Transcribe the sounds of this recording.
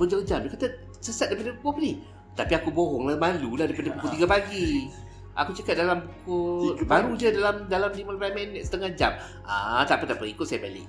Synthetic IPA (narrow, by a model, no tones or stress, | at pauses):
bəd͡ʒəŋd͡ʒamdakat̪a | səsat̪̚dajpadaukɔkni | t̪apiakubɔɦɔŋlamalulahdajpadabukʊt̪iɡapaɡi | ʔa̰kut͡ʃakat̪̚dalambukʊt̪̚baɾud͡ʒadalamdalamdimanpamɛnɛt̪sət̪əŋad͡ʒa̰m | at̪apat̪aʔpəikʊt̪sajabalɪ̰k̚